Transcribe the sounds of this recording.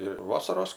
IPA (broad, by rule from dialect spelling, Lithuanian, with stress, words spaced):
ɪ ˈʋɑːsɐroːs